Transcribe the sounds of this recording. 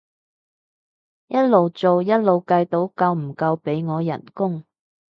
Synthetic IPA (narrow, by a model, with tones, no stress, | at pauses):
jɐ˥t̚lo˨˧wt͡so˨wjɐ˥t̚lo˨wkɐ˧jt̪o˨˥wkɐ˧wm̩˨˩kɐ˧wpe˨˥jŋɔː˨˧jɐ̰˨˩nkʊ˥ŋ